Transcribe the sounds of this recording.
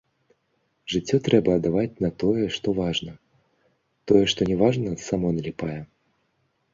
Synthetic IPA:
ʐɨt͡sʲːɔt̪ɾɛbɐːd̪avat͡sʲnɐt̪ɔjɛʂt̪ɔvaʐnɐ | t̪ɔjɛʂt̪ɔnʲɛvaʐnɐsamɔnɐlʲɛpajɛ

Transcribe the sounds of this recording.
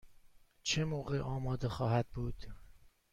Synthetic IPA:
t͡ʃʰemoːɣeʔɒːmɒːd̪e̞xɒːhæd̪̥̚buːd̪̥

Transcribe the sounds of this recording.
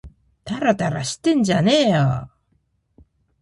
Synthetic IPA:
t̪aɾat̪aɾaɕi̥t̪ːe̞nd͡ʑaneːjo

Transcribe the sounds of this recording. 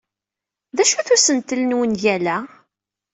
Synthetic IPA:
ðæʃuθusənt̪ːəlnwənjælæ

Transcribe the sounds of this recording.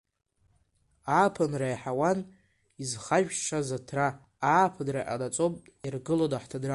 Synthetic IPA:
aːpʰɨnrajħawan | izχaʒᶣʂazatʰra | aːpʰɨdraʔʲʼa̰lat͡sʼopʼtʼirɡɨlodaħtʰadra

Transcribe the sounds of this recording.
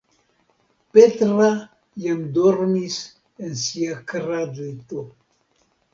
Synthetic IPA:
pet̪ɾa | jamd̪oɾnis | ensiakɾadet̪o

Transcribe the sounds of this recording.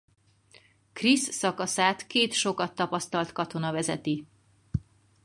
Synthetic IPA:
krisːɒkɒsaːt̪keːt̪ʃo̞kɒt̪ːɒpɒst̪ɒlt̪kɒt̪o̞nɒvɛzɛt̪i

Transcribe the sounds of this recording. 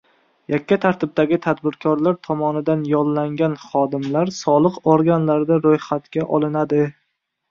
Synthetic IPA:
jakʲʰːat̪ʰaɾt̪ʰɪb̚d̪aɡʲɪt̪ʰad̪bɪɾkʰɒɾlaɾt̪ʰɒmɒnɪd̪anjɒllaŋɡʲanχɒd̪ɪmlaɾsɒlˠɨqoɾɡʲanlaɾd̪aɾojχat̪kʲaʔɒlˠɪnad̪ɪ

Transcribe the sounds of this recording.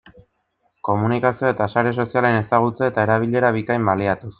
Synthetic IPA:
ko̞munikasio̞e̞t̪asaɾe̞so̞siale̞ne̞saɣ̞ut͡seet̪ae̞ɾaβ̞iʎe̞ɾaβikajmbaliat̪us

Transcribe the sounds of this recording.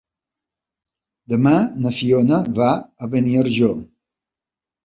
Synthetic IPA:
d̪əmanəfionəvaəβəniəɾʒo

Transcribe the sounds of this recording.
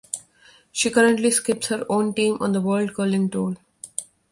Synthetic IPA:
ʃiːkʌɾə̃ɳʈliskɪp̚shəɾõːnʈĩːmʔɔ̰̃ːnd̪əʋəːlɖkəːlɪ̃ŋʈoːl

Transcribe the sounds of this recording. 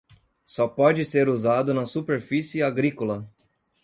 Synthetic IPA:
sɔpɔd͡ʒɪseɾuzad̪ʊnɐsupeɾfisɪaɡɾikolɐ

